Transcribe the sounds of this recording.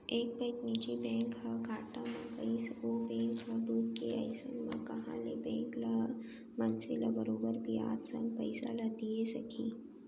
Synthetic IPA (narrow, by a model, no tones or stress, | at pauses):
eːk̚pəɪknid͡ʒibɛ̃ːŋkhaɡʱaːʈamãkɐisobɛ̃ːŋkɦabuːt̪̚keɐ̰ɪsə̃nmã̰kɐɦã̰lebɛ̃ːŋkla | mɐnselabɐɾoːbəɾbʱia̰ːt̪sɐ̰̃mpɐɪsa̰lad̪iesɐkʰi